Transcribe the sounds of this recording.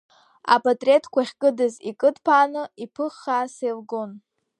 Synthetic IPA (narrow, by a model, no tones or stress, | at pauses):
a̰pʼatʼrʲe̞tʰkʷaχʲkʼɨdɨzikʼɨdpʰaːnɨipʰɨχːasejlɡo̞n